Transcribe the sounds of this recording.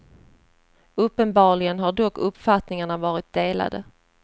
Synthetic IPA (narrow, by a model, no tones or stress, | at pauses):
ɵpːənbɑːɭɪɡənɦaɖɔkːɵpːfat̪nɪŋaɳavɑːɾɪt̪̚d̪eːla̰d̪ə̰